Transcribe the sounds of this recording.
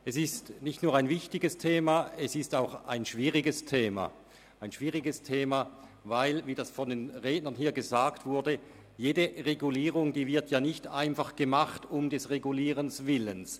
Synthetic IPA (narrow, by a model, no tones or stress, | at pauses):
ʔɛsɪstnɪçtnuːɐaɪnvɪçtɪɡəstʰeːmaɛsɪstaʊxʔaɪnʃv̥iːʁɪɡəstʰeːma̰ | ʔaɪnʃv̥iːʁɪɡəstʰeːmavaɪlviːdasfɔndenʁeːdnɐnɦiːɐɡəzaːktv̥ʊɐdə | jeːdəʁeɡuliːʁʊŋdiːvɪɐtjaːnɪçta̰ɪnfaχɡ̥əmaχtʊmdɛsʁeɡuliːʁənsv̥ɪləns